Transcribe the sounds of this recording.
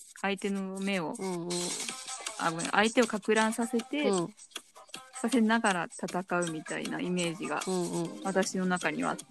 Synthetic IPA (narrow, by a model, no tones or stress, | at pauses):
ait̪e̞no̞me̞o̞̰ | a̰bɯʔa̰it̪e̞o̞kakɯ̟ɾãɰ̃sase̞t̪e̞ | sase̞naɡaɾat̪at̪akaɯ̟mʲit̪aḭna̰ime̞ːʑiɡa̰βat̪aɕino̞nakaɲ̟ḭβa̰t̪ː